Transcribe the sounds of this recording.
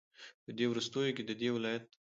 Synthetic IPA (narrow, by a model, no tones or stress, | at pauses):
pəd̪ewɾust̪ojoked̪əd̪ewɪlɑjat̪̚